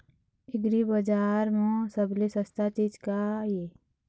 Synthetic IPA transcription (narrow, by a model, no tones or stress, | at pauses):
ɪɡɾibəd͡ʒaːɾmõsəblesɐst̪at͡ʃit͡ʃkaje